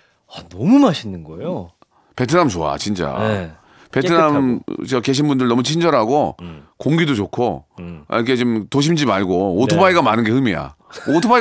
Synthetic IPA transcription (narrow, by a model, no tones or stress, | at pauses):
anʌmumaɕʰinːɯnɡʌejo | pe̞tʰɯnamt͡ɕoa̰t͡ɕint͡ɕ͈a̰ | pe̞ttʰɯnamt͡ɕʌke̞ɕ̬ʰinbundɯɭnʌmut͡ɕʰind͡ʑʌɾɦaɡokoŋɡidot͡ɕokʰoa̰ikʰet͡ɕomtoɕ̬ʰimd͡ʑimaɭɡootʰobaiɡamanɯnɡe̞hɯmija̰otʰoba